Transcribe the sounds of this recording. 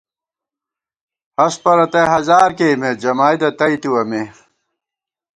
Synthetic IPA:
ɐspɐɾɐt̪eɦɐzaːɾkemed͡ʑɐmaːjd̪ɐt̪ɐit̪iwɐme

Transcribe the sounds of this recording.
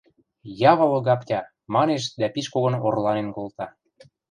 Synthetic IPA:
jɑβɤ̆βɤ̆ɣɑpt̪ʲɑ | mɑneʃ̬d̪æpiʃkoɣɤ̆norlɑnenkolt̪ɑ

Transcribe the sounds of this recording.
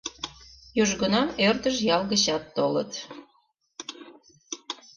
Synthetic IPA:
juʒɣənɑmørt̪əʃjɑlɣəɕɑt̪ːolə̰t̪

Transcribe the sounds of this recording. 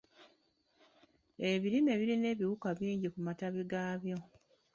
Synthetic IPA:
e̞βiɾime̞βiɾine̞ːβiwukaβiːɲɟikumataβiɡaːβjo̞

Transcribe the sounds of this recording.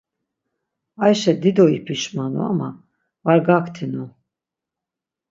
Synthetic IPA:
ajʃɛd̪id̪ɔipʰiʃmanṵa̰ma | vaɾɡakʰt̪ʰinu

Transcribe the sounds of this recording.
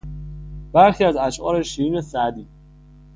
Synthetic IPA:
b̥æɾxiːæzæʃʔɒːɾeʃiiːne̞sæʔd̪iː

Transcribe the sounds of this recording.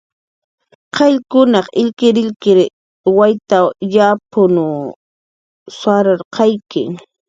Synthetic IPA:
qʰɑʎkʊnɑqɪʎkɪɾɪʎkɪɾ | wajt̪ajapʊnʊ | saɾaɾqʰɑjkɪ̰ŋ

